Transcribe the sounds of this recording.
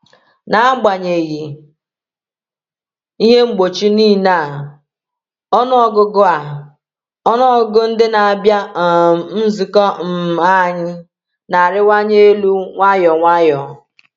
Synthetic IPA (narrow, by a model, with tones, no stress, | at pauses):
na˨a˦ɡ͡ba˨ɲe˨ɣi˨ | i˦ɦe˦ŋ͡m̩˦ɡ͡bo˨t͡ʃi˦niː˦˨na˦˨ | ɔ˦n˦ɔ˦ɡʊ˦ɡʊ˦a˨ | ɔ˦nɔ˦ɔ˦ɡʊ˦n̩˦dɪ˦na˨a˨bja˦˨m̩˦zi˨kɔ˦m̩˨a˦˨ɲɪ˦ | na˨ɾɪ˦wa˦ɲe˦e˦lu˦ŋʷa˦jɔ˨ŋʷa˦jɔ˨